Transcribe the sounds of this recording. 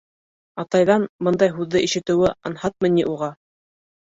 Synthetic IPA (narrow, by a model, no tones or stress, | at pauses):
ɑt̪ɑjðɑnbɤnd̪ɑjɦʉðːɘʔiʃɘ̆t̪ɘ̆wɘɑ̰nhɑt̪̚mɤ̆nʲiʔuʁɑ